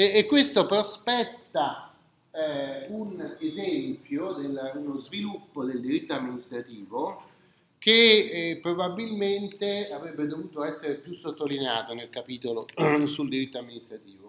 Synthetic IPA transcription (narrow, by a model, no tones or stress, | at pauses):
kːwest̪opɾospɛt̪ːa | unezɛmpjod̪elːunozvilupːod̪eld̪iɾit̪ːoamːinist̪ɾat̪iːvo | k̟epːɾobabːilment̪eavɾɛbːed̪ovuːt̪oɛsːeɾepjusːot̪ːolineaːt̪onelkapiːt̪olosuld̪iɾit̪ːoamːinist̪ɾat̪iːvo